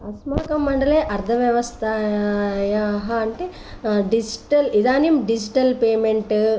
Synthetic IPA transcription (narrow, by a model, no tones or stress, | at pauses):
ɐsmaːkɐmːɐɳɖɐleːʔɐɾd̪ʰʱɐʋjɐʋɐst̪ʰa | jɐɦɐɐɳʈ̪e | ɖid͡ʒiʈɐlid̪aːnimɖid͡ʒiʈɐlpeːmeɳʈ